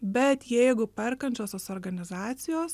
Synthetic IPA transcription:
bʲɛt̪jɛɪɡʊpʲɛɾkɐnʲt͡ʃʲoːsʲoːsoːɾɡɐnʲɪzɑːt̪sʲɪjoːs

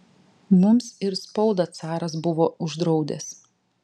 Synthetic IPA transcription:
mʊmsɪɾspɔʊd̪ɐt̪sɑːɾɐs̬bʊʋoːʊʒd̪ɾɒʊd̪ʲɛ̰s

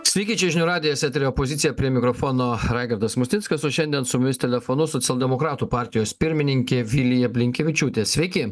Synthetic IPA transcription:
sʲʋʲɛɪkʲɪt͡ʃʲɛʒʲɪnʲuːɾɑːd̪ʲɪjɛsʲɛːt̪ʲɾʲeɔpozʲɪt̪sʲɪjɛpʲɾʲiɛmʲɪkɾofoːnoːɾɑɪɡɐɾd̪ɐsmʊsʲt̪ʲɪnskɐsoːʃʲɛnd̪ʲiɛnsʊmʲʊmʲɪsʲt̪ʲɛlʲɛfonʊsɔt̪sʲɛlʲˠd̪ʲɛmokɾɑːt̪uːpɑˑɾʲt̪ʲɪjoːspʲɪɾʲmʲɪnʲɪŋʲkʲeʋʲɪlʲɪjɛpʲlʲɪŋʲkʲɛʋʲɪt͡ʃʲuːt̪ʲeːsʲʋʲɛɪkʲɪ

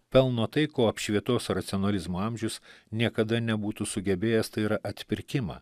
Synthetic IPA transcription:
pʲɛlˠnoːt̪ɐɪkoːɐpʃʲʋʲiɛt̪oːsɾɐt̪sʲɪonɐlʲɪzmoːɐmʲʒʲʊsnʲiɛkɐd̪ɐnʲɛbuːt̪uːsʊɡʲɛbʲeːjɛst̪ɐɪiɾɐʔɐt̪ʲpʲɪɾʲkʲɪmɑ̰ː

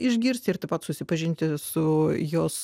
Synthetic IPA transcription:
ɪʒʲɡʲɪɾʲsʲt̪ʲɪɾrt̪ɐɪpɐt̪sʊsʲɪpɐʒʲɪnʲt̪ʲɪsʊjoːs

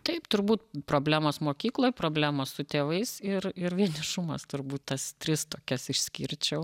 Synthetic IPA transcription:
t̪ɐɪpt̪ʊɾbuːt̪pɾoːbʲlʲæːmoːsmoːkʲiːklˠoːjpɾoːbʲlʲæmoːssʊt̪ʲeːʋɐɪsɪrɪɾʋʲiɛnʲɪʃʊmɐst̪ʊɾbuːt̪t̪ɐst̪ʲɾʲɪst̪oːkʲɛsɪʃʲsʲkʲḭɾʲt͡ʃʲɛʊ

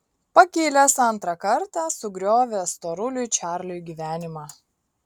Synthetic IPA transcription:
pɐkʲeːlʲɛsɐnt̪ɾɐkɐɾt̪ɑsʊɡɾʲoːʋʲeːst̪oːɾʊlʲʊt͡ʃʲæːɾʲlʲʊjɡʲiːʋʲæːnʲɪmɑː

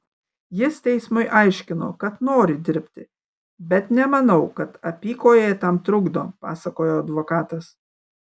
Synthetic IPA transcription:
jɪst̪ʲɛɪsmʊɪʔɑɪʃʲkʲɪno̰ːkɐt̪noːɾʲɪd̪ʲɪɾʲpʲt̪ʲɪ | bʲɛt̪nʲɛmɐnɐʊkɐt̪ɐpʲiːkoːjeːt̪ɐmt̪ɾʊɡd̪oːpɑ̰ːsɐkoːjoːɐd̪ʋoːkɑːt̪ɐs

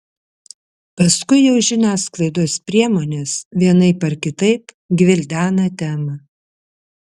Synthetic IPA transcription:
pɐskʊɪjɛʊʒʲɪnʲæːsklˠɐɪd̪oːspʲɾʲiɛmoːnʲeːsʋʲiɛnɐɪpɐɾkʲɪt̪ɐɪp | ɡʲʋʲɪlʲd̪ʲæːnɐt̪ʲæːmɐ

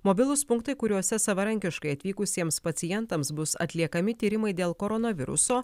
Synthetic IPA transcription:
moːbʲɪlˠʊspʊŋkt̪ɐɪkʊɾʲuɔsʲɛsɐʋɐɾɐŋʲkʲɪʃkɐɪɐt̪ʲʋʲiːkʊsʲiɛmspɐt̪sʲɪjɛnt̪ɐmsbʊsɐ̰t̪ʲlʲiɛkɐmʲɪt̪ʲiːɾʲɪmɐɪd̪ʲeːlˠkoɾɔnɐʋʲɪ̰ɾʊ̰soː

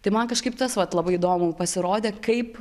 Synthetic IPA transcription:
t̪ɐɪmɐnkɐʃkɐɪp̚t̪ɐsʋɐt̪lˠɐbɐɪɪd̪oːmʊpɐsʲɪɾoːd̪ʲeːkɐɪp

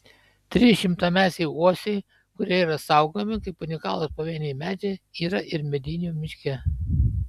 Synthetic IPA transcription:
t̪ʲɾʲɪʃʲɪmt̪ɐmʲæːsʲɛɪuɔsʲɛɪ | kʊɾʲiɛiːɾɐsɐˑʊɡoːmʲɪkɐɪpʊnʲɪkɑːlˠospɐʋʲiːnʲɛɪmʲæːd͡ʒʲɛiːɾɐʔɪɾmʲɛd̪ʲɪnʲuːmʲɪʃʲkʲɛ

